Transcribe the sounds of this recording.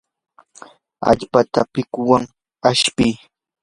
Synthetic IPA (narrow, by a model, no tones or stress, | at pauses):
a̰ʎpat̪apɪkʊwaŋ | aʃpɪː